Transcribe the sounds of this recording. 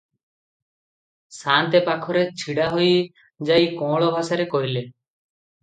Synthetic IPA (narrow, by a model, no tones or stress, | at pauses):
sant̪epakʰɔɾet͡ʃʰiɽaɦoj | d͡ʒajkɔ̃ɭɔbʱasaɾekɔjle